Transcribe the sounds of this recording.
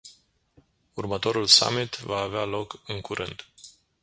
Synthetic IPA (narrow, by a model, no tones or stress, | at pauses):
urmət̪o̞ɾulsa̰mit̪vaːvealo̞kɨŋkuɾʔɨnd̪